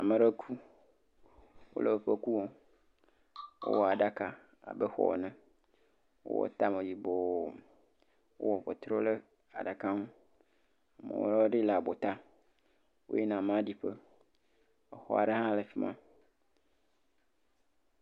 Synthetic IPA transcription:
a˨mẽ˨ɾe˦kʰu˦ | wo̰˦le˨ɸe˦ku˦wo˦ | wʔo̰˦wɔ˨a˨ɖa˦ka˦ | a̰˨be˦xɔ̰˦ɔ̰˨nɛ̃˦ | wo̰˦wɔ̰˦t̪a˦mẽ˨ji˨bo˨ | wo̰˦wɔ˨ɸɔ˨t̪ɾo˦le˦ | a̰˨ɖa˨ka˦ŋũ˦ | a˨mḛ˨wo̰˦ɾɖi˦la˨bo˨t̪a˦ | wo̰˦jɛ˦nã˨m̃˨˦di˦ɸe˦ | ɛ˨xɔ̰˦a̰˨ɖe˦hã˦le˨fi˦mã̰˦

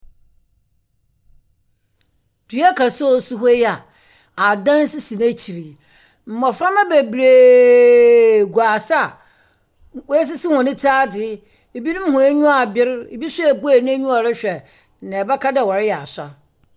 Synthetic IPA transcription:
di˦a˦kʰa˨so˦˨su˦ɦo˦ja˨ | a˨dã˦n˦sɪ˦sĩ˨na˦t͡ɕʰi˨ɾi˨ | m̩˨mɔ˨fa˦mã˦be˨bɾe˨ | ɡu˨a˨sa˦˨ | ws̬ɪ˦sɪ˦hʊ̃˨nɪ̃˦tʰaː˦dɪ˨˦˨ | bi˦nũ˦m˦ɦʊ̃˨e˦ɲũ˦a˨bɪ˦ɾe˨bi˦sʊ˦ɛ˨bu˦e˦˨ñ˦e˦ɲũ˦ɔ˨ɾɪ˦ɕᶣɛ˨ | nã˨bɛ˦kʰa˦dɛ˨wɔ˨ɾɪ˦jɛ˨a̰˨sa̰˦

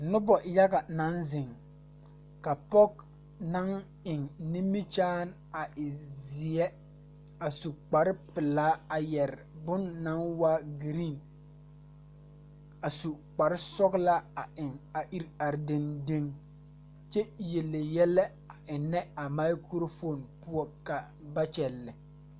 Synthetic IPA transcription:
nʊ˦bɔ˨ja˦ɡa˨na˦nzɪ˨ŋ | ka˨pɔ˦k̚ | na˦ŋ | ɪ˨ŋni˦mːi˦t͡ʃaː˦n | a˨ʔɪ˨zɪ˨ɛ˦ | a˨su˨k͡pa˨ɾɪ˦pɪ˨laː˦a˨jɛ˨ɾɪ˨bʊ˦nːa˦nwa˦ɡi˨ɾi˦˨n | a˨su˨k͡pa˨ɾɪ˦sɔ˦ɡla˦a˨ɪ˨ŋa˨ʔi˦ɾa˨ɾdɪ˦nde˦ŋ | t͡ʃɛ˦je˨lːe˨jɛ˦lɛ˦ | a˨ʔɪ˨nɛ˦a˨ma˦ɪ˦kɾo˦fo˦˨npʊ˦ɔ˦ka˨ | ba˦t͡ʃɛ˨lːɪ˨

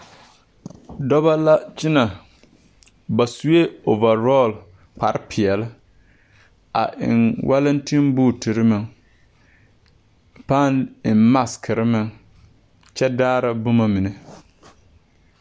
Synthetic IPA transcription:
dɔ˦ba˦la˦t͡ʃɪ˦na˨ | ba˨su˦je˦o˨va˨ɾo˦˨l | pa˨ɾɪ˦pi˨ɛ˨lɪ˦ | a̰˨ʔɪ̰˨nwʔa˦lɨ˦n˦tɪ˦mbʊː˦˨ti˨ɾɨ˦mɨ˨ŋ | pa˦˨nɪ˨mma˦skʰɨ˨ɾɪ˦mɨ˨ŋ | t͡ʃɛ˦daː˦ɾa˦bʊ˦ma˨mɪ˨nɨ˨

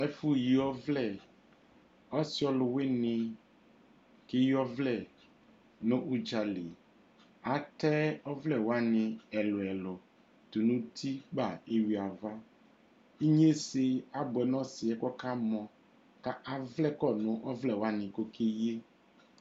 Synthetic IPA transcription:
ɛ˦fu˦ji˨ɔ˦vlɛ˦˨ | ɔ˦si˦ɔ˦lʊ˨we˦nɪ̃˨ | ke˦ji˦ɔ˦vlɛ˨ | nʊ̃˦ʔu˦d͡ʒa˨le˨ | a˨tɛ˦ɔ˦vlɛ˨wa˦nɪ̃˨ɛ˨lʊ˨ɛ˨lʊ˨ | t̪u˨nũ˦t̪ʰi˦ɡ͡ba˦˨e˦wi˨a˨va˦ | i˦ɲ˦e˦se˦a˨bʊ˨ɛ˨nɔ̃˦sɪ˨ɛ˦kɔ˦ka˦mɔ̃˨ | ka˦ʔa˨vlɛ˦kɔ˦˨nʊ̃˨ʔɔ˦vlɛ˨wa˦nɪ̃˨ko˦kʰe˦je˦

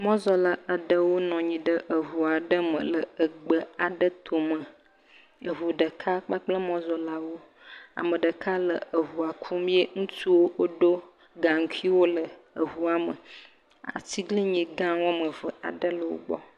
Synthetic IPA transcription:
mɔ̃˦zɔ˨la˦a˨ɖə˦wo˦nɔ̃˨ɲĩ˨ɖə˦ʔə˨ɦu˨a˨ɖə˦mə̰̃˨lə˨ə˨ɡ͡bə˨a˨ɖə˦t̪ʰo˨mə̃˨ | ə˨ɦu˨ɖə˨kʰa˦k͡pa˦k͡plə˦mɔ̃˦zɔ˨la˦wo˦ | a̰˨mə̃˨ɖə˨kʰa˦lə˨ə˨ɦu˨a˨kʰu˦mĩ˦e˦ŋũ˦tu˦wo˦wo˦ɖo˦ | ɡa˨ŋ̩˦kʰi˦wo˦lə˨ | ə˨ɦu˨a˦mə̰˨ | a̰˨ti˦ɡli˦ɲĩ˨ɡã˦wɔ˦mə˨və˨a̰˨ɖə˦lə˨wo̰˦ɡ͡bɔ̰˦

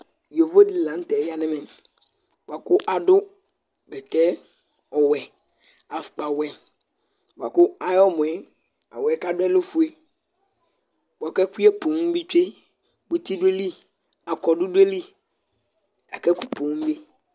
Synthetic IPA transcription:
jo˨vo˦dɪ˨lã˨n˦tɛ˨˦ja˦nɪ̃˦mɪ̃˨ | bʊ˨a˨kʊ˦ʔa˨dʊ˦ | bɛ˨t̪ɛ˦ | ɔ˨wɛ˨ | a˨fk͡pa˨wɛ˨ | ba˨kʊ˦a˦jɔ˦mʊ̃˨ɛ˨ | a̰˨wɛ˨˦ka˦dʊ˦ɛ˦lʊ˦fʊ˨e˦ | ba˨kɛ˦ku˦ɛ˦po˨ŋ˦bi˦t͡ʃe˦ | bʊ˦t̪i˦dʊ˦e˦li˦ | a˨kɔ˨dʊ˦de˦li˦ | a̰˨kɛ˦ku˦po˨ŋ˦be˦

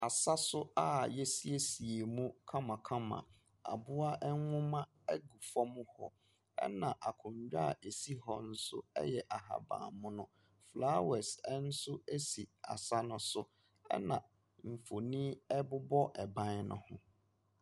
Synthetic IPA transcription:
a˨sa˦sʊ˦a˦jɛ˦si˦e˦si˨e˨mũ˦kʰã˦mã˨kʰa˦mã̰˨ | a̰˨bʊ˦a˦ʔɛ˦ʊ̃˦mã˦ | ɛ˦ɡu˨fɔ˦mʊ̃˦hɔ̰˨ | ɛ̰˦nã˨ʔa˨kʰʊ̃˨ɲ˨d͡ʑᶣa˦˨e˨si˦hɔ˦n̩˦sʊ̰˦ɛ̰˦jɛ˨ʔa˨ha̰˨bã̰ː˨mʊ̃˦nʊ̃˦ | flaː˦wɛ˨sɛ˦n̩˦sʊ˦e˦si˨a̰˨sa˦nʊ̃˨sʊ˦ | ɛ̰˦nã˨ | m̩˨fo˨nĩ˦ɛ˦bʊ˦bɔ˦ʔɛ˨bã˦n˦nʊ̰̃˦hʊ̰̃˦

